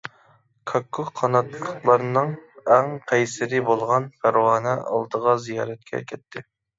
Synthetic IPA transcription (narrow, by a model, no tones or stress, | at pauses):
kʰɑkʰːʊχqʰɑnɑt̪lˠəqlˠɑɾɨnɨŋɛŋqʰɛjsɪɾɪbolˠʁɑnfæɾwɑːnɛʔɑ̰lˠd̪əʁɑzijɑːɾɛt̪̚kʲʰɛ̰kʲʰɛt̪ʰːɪ